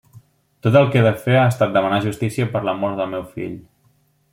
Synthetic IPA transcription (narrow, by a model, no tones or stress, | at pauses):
t̪ot̪əlˠkeðəfeaəst̪at̪̚d̪əmənaʒust̪isiəpəɾləmɔɾt̪dəlˠmɛwfḭʎ